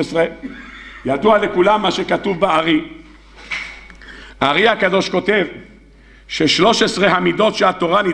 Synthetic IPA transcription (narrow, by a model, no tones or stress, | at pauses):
esʁe | jad̪uale̞kulamːaʃe̞kat̪uvbeaʁi | ʔaʁihakad̪o̞ʃko̞te̞v | ʃeʃlo̞ʃesʁeɦamid̪o̞tʃehat̪o̞ʁani